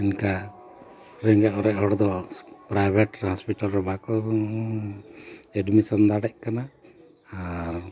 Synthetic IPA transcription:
ɛnka | ɾɛŋɡɛʔɔɾɛʔhɔɽd̪ɔpɾajbʱɛʈɾhɔspiʈalɾɛbakɔ | ɛɖmisɔnd̪aɽɛʔ̚kanaː | aɾ

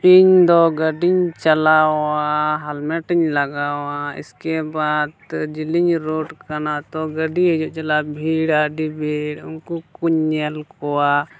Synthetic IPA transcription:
piɲd̪ɔɡəɖiɲt͡ʃəlaaɦɐlmɛʈiɲləɡaːwaɪ̰skebaːd̪d͡ʒɪliɲɾoːʈkənat̪ɔɡəɖiɦd͡ʒot͡ʃəlabʱiːɽaɖibʱeɽʊnkukuɲːəlkɔwa

